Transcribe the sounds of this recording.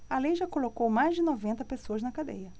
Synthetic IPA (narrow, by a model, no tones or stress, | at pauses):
ɐlejʒakolokowmajzd͡ʒɪnɔvẽnt̪ɐpesoɐznɐkad̪ḛjɐ